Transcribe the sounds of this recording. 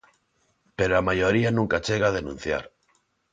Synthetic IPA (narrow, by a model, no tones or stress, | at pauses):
peɾoamajoɾianũŋkat͡ʃeɣ̞að̞enṵ̃n̟θja̰ɾ